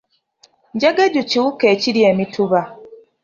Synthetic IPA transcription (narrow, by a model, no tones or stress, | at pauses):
ɲɟaɡaɟuciwukeːciɾjeːmituβa